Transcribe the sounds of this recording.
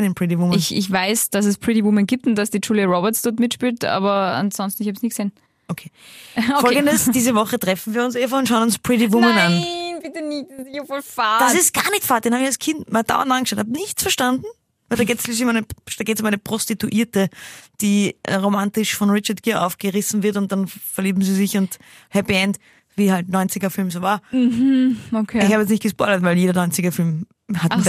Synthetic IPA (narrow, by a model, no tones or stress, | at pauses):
nɪnpʁ̥ɪt̬ivʊməɪçɪ̰çvaɪsd̥as̬ɛspʰʁ̥ɪɾivʊmənɡiːp̚tʊntd̥asd̥it͡ʃuːliaʁɔbəɐtsd̥ɔɐtmɪtʃpiːltʔa̰ːbɐa̰nsɔnstn̩ɪçhabsniːɡə̥zeːn | ʔokʰeːfɔlɡəndəsd̥iːzəvɔχətʁɛfn̩viːɐʊnsefaʊntʃaʊnʊnspʁ̥ɪt̬ivʊmənanbɪtənɪçsɪçʊfɔfaːd̥asɪstɡ̥aːɐnɪçtfaːɐtdenhaːbɪçalskʰɪntmald̥a̰ʊɐ̰ndãnɡəʃɑʊtnhaːbnɪçt͡sfɛɐʃtandn̩ | vɛɪldaɡeːtsʃlislɪçʊmæɪnəd̥aɡeːtsʊmæɪnəpʁ̥ostituʔiːɐtəd̥iːʔɛ̰ʁomantɪʃfɔnʁɪt͡ʃɐtɡ̥ɪɐʔa̰ʊfɡ̥əʁɪsn̩vɪɐtʊnt̚d̥anfɛɐliːbm̩zizɪçʊnt | hɛpiɛnt | viːhaltnɔʏnt͡sɪɡɐfɪlmzoːvaːɐm̩ | okʰeɪççhaːbəɛt͡s̬nɪçtɡ̥əspɔʏlɐtvæɪljeːɾɐnɔʏnt͡sɪɡɐfɪlm | hatːn